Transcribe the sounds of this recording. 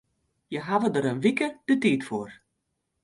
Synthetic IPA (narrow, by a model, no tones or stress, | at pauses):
jəɦaʋədəɾənʋikəd̥ətiːtfoːr